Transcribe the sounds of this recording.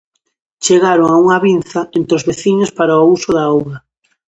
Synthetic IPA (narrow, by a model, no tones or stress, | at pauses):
t͡ʃeɣaɾoŋauŋɐβinθɐent̪ɾozβeθiɲospaɾaousʊðaowɣɐ